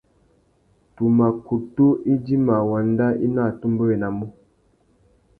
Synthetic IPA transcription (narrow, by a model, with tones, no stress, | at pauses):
tu˨ma˨ku˨tu˦i˦di˦ma˨wa˨n˦da˦i˦na˦˨tu˦mbə˦e˨na˨mu˦